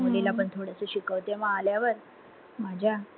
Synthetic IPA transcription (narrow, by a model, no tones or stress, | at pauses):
molelapəɳt̪ʰoɽəsəɕikəʋt̪emaːljaʋəɾ | mad͡ʑʱja